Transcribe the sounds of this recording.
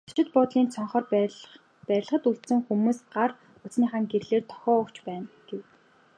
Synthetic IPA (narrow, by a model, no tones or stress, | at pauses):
t͡ɕɪ̆t̪pʊːt̪ɮiːnt͡sʰɔɴχɔː | pæɾʲɮə̆χə̆t̪uɮt̪sɘ̆ŋxumuːsɢar | ʊt͡sniːχaŋɡeɾɮeːrt̪ʰɔ̥xʲɔːʊkt͡ɕpæːnɡ̥ew